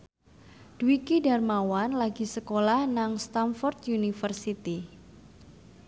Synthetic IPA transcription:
d̥wikidarmawanlaɡisəkolahnaŋst̪amfɔrt̪junifərsit̪i

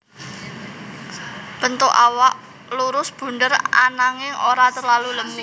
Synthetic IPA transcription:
b̥ənt̪ʊʔawaʔ | luɾʊsb̥ṳnɖəra̰naŋɪŋʔoɾat̪ərlaluləmi

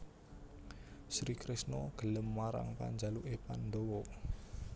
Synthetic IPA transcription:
sɾikɾɪsnɔɡ̥ə̤ləmːaɾa̰ŋpa̰ɲd͡ʒaluʔepand̪owɔ

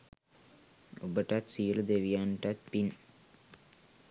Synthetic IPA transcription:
obəʈat̪siələd̪eʋijanʈat̪̚pin

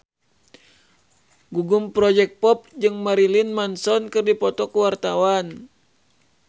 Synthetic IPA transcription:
ɡuɡumpɾɔd͡ʒɛk̚pɔp̚d͡ʒɨŋmaɾilinmansɔnkɨrdipɔt̪ɔkuwart̪awan

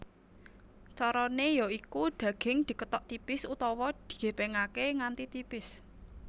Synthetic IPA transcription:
t͡ʃɔɾɔnejɔikuɖ̪̥a̤ɡ̥ɪ̤ŋd̪̥i̤kət̪ɔʔt̪ipɪsut̪ɔwɔd̪̥i̤̥ɡ̥e̤peŋakeŋant̪it̪ipɪs

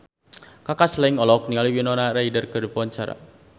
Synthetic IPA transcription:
kakaslaiŋɔlɔk̚niŋaliwinɔnaɾaidərkədəpɔnt͡ʃaɾa̰

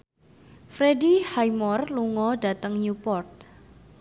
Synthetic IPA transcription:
fɾedihajmɔrluŋɔɖ̥a̤t̪əŋjupɔrt̪̚

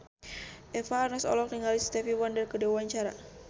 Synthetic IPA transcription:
ʔɛfaːrnasɔ̰lɔk̚niŋalist̪ɛfiwandərkədewaɲt͡ʃaɾa

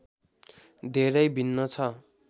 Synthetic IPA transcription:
d̪ʱeɾʌjbʱinːʌt͡sʰʌ

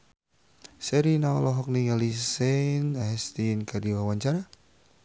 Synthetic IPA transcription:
sɛɾinaalɔɦɔk̚niŋalisɛnaɦɛst̪inkʰadiwawaɲt͡ʃaɾa

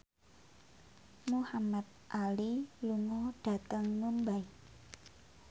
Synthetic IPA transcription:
muhamat̪̚ʔaliluŋɔɖ̥a̤t̪əŋməmbai

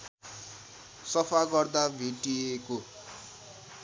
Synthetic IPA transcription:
sʌpʰaɡʌrd̪abʱiʈieko

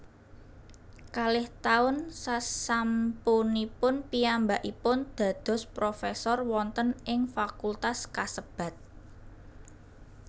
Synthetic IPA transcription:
kalɪht̪aʊnsasampunipʊnpiambaʔipʊnd̪̥ä̤d̪̥ɔ̤spɾofesɔrwɔnt̪ənʔɪŋfakult̪askasəb̥a̤t̪̚

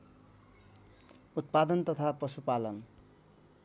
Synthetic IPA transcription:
ut̪̚pad̪ʌnt̪ʌt̪ʰaprʌsupalʌn

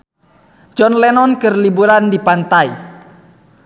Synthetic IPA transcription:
d͡ʒɔnlɛnɔnkɨrlibuɾandipant̪ai

